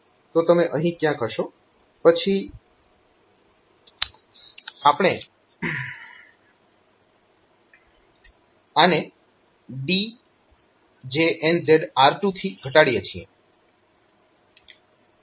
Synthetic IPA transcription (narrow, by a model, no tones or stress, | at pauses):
t̪ot̪əmeʔəɦĩkjãkʰəʃo | pət͡ʃʰi | apɽ̃e | ane | bi | d͡ʒeɛnzeɖaɾʈut̪ʰiɡʱəʈaɽjet͡ʃʰiḛ